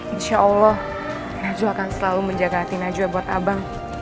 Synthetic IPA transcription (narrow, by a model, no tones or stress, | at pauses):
inʃaʔɔlːɔh | nad͡ʒuakansəlaluməɲd͡ʒaɡaat̪inad͡ʒuabat̪abaŋ